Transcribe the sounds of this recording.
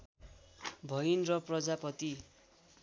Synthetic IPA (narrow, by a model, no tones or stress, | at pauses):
bʱʌjnrʌprʌd͡zapʌt̪i